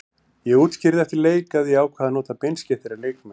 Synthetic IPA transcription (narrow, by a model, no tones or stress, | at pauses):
jɛɣuːt̪scɪɾðɪɛft̪ɪleːjkaðiaːwkʰvaːðanoːt̪apejnscɛθɪɾaɾleːjkmɛ